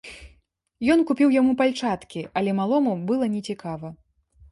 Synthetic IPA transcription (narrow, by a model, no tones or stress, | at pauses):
jɔnkupʲiwjamupalʲt͡ʂat̪kʲiʔɐlʲɛmalˠɔmubɨlˠɐnʲɛt͡sʲikavɐ